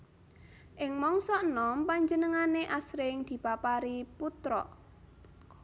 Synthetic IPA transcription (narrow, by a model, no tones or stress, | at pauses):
ʔɪŋmɔŋsɔʔnɔmpaɲd͡ʒənəŋaneʔasɾɪŋd̪̥i̤papaɾiput̪ɾɔ̰ʔ